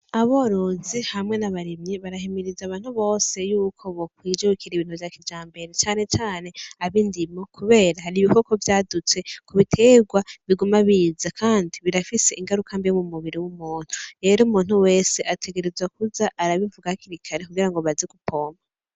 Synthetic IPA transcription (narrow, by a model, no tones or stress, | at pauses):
aβo̞ɾozihamŋe̞naβaɾimɲiβaɾahimiɾizaβaːn̥huβo̞ːse̞juːkʰo̞βokwiːd͡ʒeukiɾiβiːn̥huvjakid͡ʒaːmbe̞ɾe̞t͡ʃaːne̞t͡ʃaːne̞aβindimokʰuβe̞ːɾaɦaɾiβiβo̞ko̞vjaːdut͡se̞kuβitʰe̞ɡwaβiɡumaβiːzakʰaːndiβiɾafise̞ʔiŋɡaɾukʰambijomumuβiɾiwumuːn̥huɾe̞ːɾomuːn̥huwe̞ːse̞ʔatʰe̞ɡe̞ɾe̞zwakuzaʔaɾaβivuɡahkiɾikʰaɾe̞kuɡiɾaŋɡoβaziɡupʰo̞ːma